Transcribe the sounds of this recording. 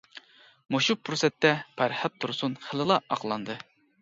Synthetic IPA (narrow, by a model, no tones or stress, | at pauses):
moʃupʰɾosɛt̪ːɛpʰæɾhæt̚t̪ʰːuɾsunχəlˠɨlˠɑʔɑqlˠɑnd̪ɨ